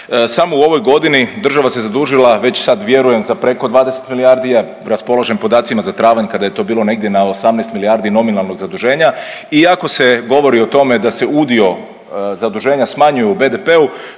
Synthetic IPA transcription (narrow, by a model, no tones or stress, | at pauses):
samouo̞ʋo̞jɡo̞d̪inid̪r̩ʒaʋase̞zad̪uːʒilˠaʋe̞t͡ɕsad̪ʋje̞ɾuje̞mzapɾe̞ko̞d̪ʋaːd̪e̞set̪miliaɾd̪ija | ɾaspo̞lˠaʒempo̞d̪aːt̪simazat̪ɾaːʋaɲkad̪aje̞t̪o̞biːlˠo̞ne̞ɡ̚d̪ʲje̞naosamneːst̪milijaɾd̪ino̞minalˠno̞ɡzad̪uʒe̞ːɲaiako̞se̞ɡo̞ʋo̞ɾio̞t̪o̞me̞d̪ase̞ud̪io̞ | zad̪uʒeːɲasmaɲujeube̞d̪e̞pe̞u